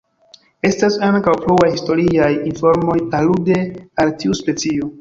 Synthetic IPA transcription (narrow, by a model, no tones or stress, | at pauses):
e̞stasaŋkawpluajhisto̞ɾiajinfo̞ɾmo̞jalude̞altiuspe̞t͡sio̞